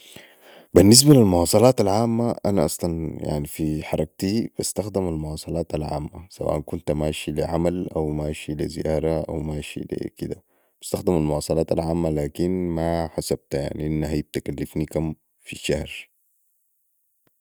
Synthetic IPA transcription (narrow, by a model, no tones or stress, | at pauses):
binːis̬balilmʊwɑːsˤɑlɑːt̪alʕaːmːaʔanaʔɑsˤlɑnja̰ʕnifiħɑɾˤɑk̚t̪ib̥ast̪axd̪imalmʊwɑːsˤɑlɑːt̪alʕa̰ːmːasawa̰ːʔankunt̪maːʃiliʕamalʔawmaːʃilizijɑːɾˤɑʔa̰wmaːʃḭlḭkid̪a | b̥ḁst̪axd̪imalmʊwɑːsˤɑlɑːt̪alʕaːmːalaːkinmaħasab̚t̪ja̰ʕniʔinːaɦajib̚t̪akalːifnikam | fiʃahɾ